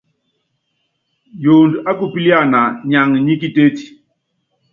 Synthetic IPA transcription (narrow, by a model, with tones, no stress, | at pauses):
joː˨nda˦ku˨pi˦li˦a˦˨na˨ɲa˨ŋ˨ɲi˦ki˦te˦ti̥˨